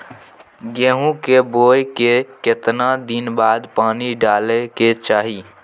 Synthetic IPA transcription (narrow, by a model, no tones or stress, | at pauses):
ɡeːɦũkeboːjkeket̪nad̪inbaːd̪paːniɖaːleket͡ʃaːɦi